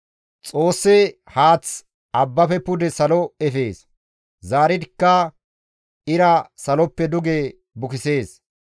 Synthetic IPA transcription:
t͡sʼo̞ːsːɛ | haːt͡s | ɐbːɐfɛpʊd̪ɛsɐlɔɛfe̞ːs | zaːɾɪd̪ɪkːɐ | ɪɾɐsɐlɔpːɛd̪ʊɡe | bʊkɪseːs

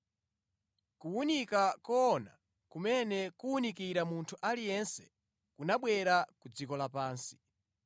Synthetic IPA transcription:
kuunikakɔːna̰ | kumɛnɛkuunikiɾamuntʰuʔalijɛnsɛ̥ | kunaɓwɛɾakud͡zikɔlapaːnsi̥

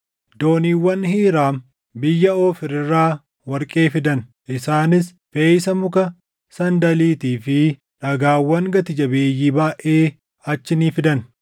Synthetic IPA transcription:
d̪oːniːwːɐnhiːɾaːm | bɪjːɐoːfɪɾɪrːaː | wɐɾkʼeːfɪd̪ɐn | ʔɪsaːnɪs | feːjsɐmʊkɐ | sɐnd̪ɐliːt̪iːfɪ | ᶑɐɡaːwːɐŋɡɐt̪ɪd͡ʒɐbe̞ːjːiːbaːʔe̞ː | ɐt͡ʃːɪniːfɪd̪ɐn

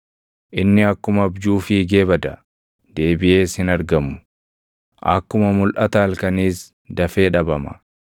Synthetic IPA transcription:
ʔɪnːɪɐkːʊmɐbd͡ʒuːfɪɡe̞ːbɐd̪ɐ | d̪̥e̞ːbɪʔe̞ːshɪnɐɾɡɐmʊ̥ | ʔɐ̰kːʊmɐmʊlʔɐt̪ɐːlkɐniːs | d̪ɐfe̞ːᶑɐbɐmɐ̥̰

